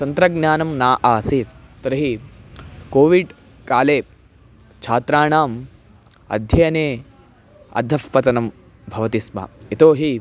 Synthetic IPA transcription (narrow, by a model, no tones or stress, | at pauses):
t̪ɐnt̪ɾɐɡnjaːnɐmnaːʔaːsit̪t̪ɐɾɐɦi | koːʋiɖ | kaːleː | t͡ʃʰaːt̪ɾaːɳaːm | ɐ̰d̪ʱjɐjɐneː | ɐ̰d̪ʱɐfpɐt̪ɐnɐm | bʱɐʋɐt̪ismɐ̰it̪oːɦi